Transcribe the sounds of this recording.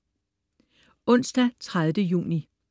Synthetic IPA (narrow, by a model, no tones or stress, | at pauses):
ɔ̽n̰sd̥æt͡sʰʁaðˠʋdəjṵːni